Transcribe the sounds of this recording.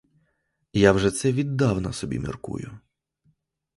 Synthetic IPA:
jawʒɛt̪sɛʋʲid̪ːɑwnɔsɔbʲḭmʲḭrkṵjʊ

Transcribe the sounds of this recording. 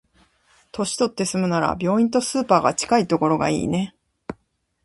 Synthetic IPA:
t̪o̞ɕi̥t̪o̞t̪ːe̞sɨmɯ̟naɾa̰bʲjo̞ːĩnt̪o̞sɨːpaːɡa̰t͡ɕi̥kait̪o̞ko̞ɾo̞ɡa̰ḭːne̞

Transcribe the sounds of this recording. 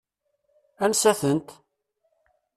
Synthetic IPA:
ænsæθənt̪

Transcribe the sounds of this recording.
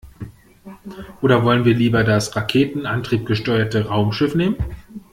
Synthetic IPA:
ʔoːdɐvɔlənviːɐliːbɐdasʁakʰeːtn̩ʔantʁ̥iːp̚ɡ̥əʃtɔʏɐtəʁaʊmʃɪfneːmən

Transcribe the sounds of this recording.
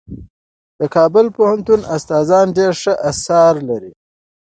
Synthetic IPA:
d̪̥əkɑbʊlpohant̪unast̪ɑːzɑnɖeɾʂəʔasɑɾlaɾi

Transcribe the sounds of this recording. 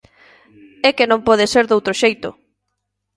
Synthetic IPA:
ɛkenõmpɔð̞eseɾðowt̪ɾoʃejt̪ʊ

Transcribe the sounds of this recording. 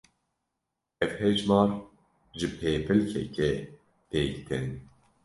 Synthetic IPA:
ɛvhɛʒmɑːɾ | ʒɨpʰeːpʰɨlkʰɛ̰cɛ | pʰeːkt̪ʰɛn

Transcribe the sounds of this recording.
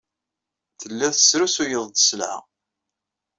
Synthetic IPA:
θəlːæðə̥sɾusujəðˤd̪ə̥səlʕa̰

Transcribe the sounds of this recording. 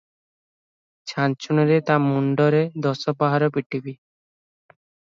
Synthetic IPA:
t͡ʃʰant͡ʃʰunɔɾet̪amuɳɖɔɾed̪ɔsɔpaɦaɾɔpiʈibi

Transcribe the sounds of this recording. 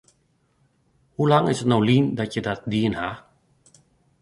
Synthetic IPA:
hulaŋasanawlindakedat̪̚dinha

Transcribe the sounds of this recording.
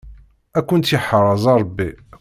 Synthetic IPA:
ækʷːʊnt̪iħəɾˤɑzˤɑɾˤbːi

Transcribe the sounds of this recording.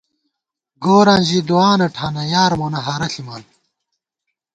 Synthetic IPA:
ɡoːɾanʑid̪uaːnɐʈʰaːnɐjaːɾmoːnɐɦɐɾɐɬimaːn

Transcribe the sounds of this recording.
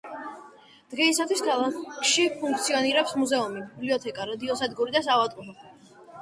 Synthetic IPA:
d̪̥ɡɛisat̪ʰwiskʰalˠakʰʃipʰuŋk̚ʰt̪sʰiɔniɾɛpsmuzɛumibibliɔt̪ʰɛkʼaɾad̪iɔsad̪ɡuɾid̪asavat̪ʼuɾɔ

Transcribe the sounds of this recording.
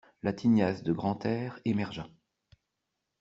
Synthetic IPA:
lat̪ʰinjasd̪əɡʁɑ̃t̪ɛːʁemɛʁʒɑ̃

